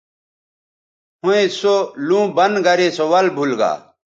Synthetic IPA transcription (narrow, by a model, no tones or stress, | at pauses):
huẽsolũːbɐnɡɐɾeːsowɐlbʱulɡa̰ː